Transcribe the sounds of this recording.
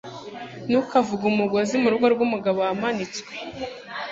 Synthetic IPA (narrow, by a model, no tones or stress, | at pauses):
nukavuɡumuɡwazimuɾuɡoɾɡumuɡaβoamanit͡swe̥